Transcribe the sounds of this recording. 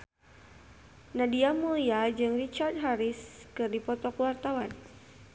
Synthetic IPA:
nadiamuliad͡ʒɨŋrit͡ʃard̚ɦaɾiskɨrdipɔt̪ɔkuwart̪awan

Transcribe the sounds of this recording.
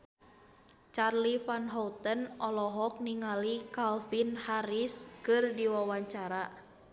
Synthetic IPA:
t͡ʃarlifanɦɔt̪ənɔlɔɦɔk̚niŋalikalfinhaɾiskɨrdiwawaɲt͡ʃaɾa

